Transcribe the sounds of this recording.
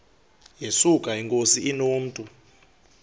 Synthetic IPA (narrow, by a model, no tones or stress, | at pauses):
jesukʼaiŋkʼosiinoːm̩tʼu